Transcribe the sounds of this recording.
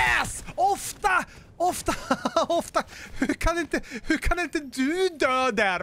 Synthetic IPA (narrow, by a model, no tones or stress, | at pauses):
ɛsɔft̪a | ɔft̪aɔft̪ahʉɾkʰanɪnt̪əhʉɾkʰanɪnt̪əd̪ɵd̪øːd̪æɾ